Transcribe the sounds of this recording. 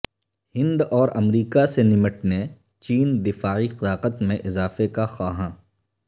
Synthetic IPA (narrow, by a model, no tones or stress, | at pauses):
hɪ̃nd̪ɔːɾɐmɾiːkasenɪməʈne | t͡ʃiːnd̪ɪfaːixɪd̪aːqət̪mẽʔɪzaːfekaxaːɦãː